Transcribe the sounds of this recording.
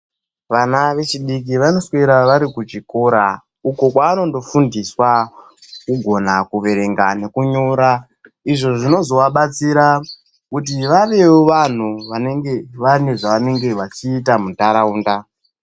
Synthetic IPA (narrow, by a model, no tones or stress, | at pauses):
ʋanaʋe̞t͡ʃiɗik̬iʋano̞sweɾaʋaɾikut͡ʃiko̞ɾa | uko̞kwaːno̞ndo̞fundiswa | kuɡʱo̞nakuʋe̞ɾe̞ŋɡane̞kuɲoɾa | iʐo̞ʐino̞zo̞ʋaɓat͡siɾa | kut̬iʋaʋe̞woʋan̤uʋane̞ŋɡeʋane̞ʐaʋane̞ŋɡe̞ʋat͡ʃiːtamutaɾauːnda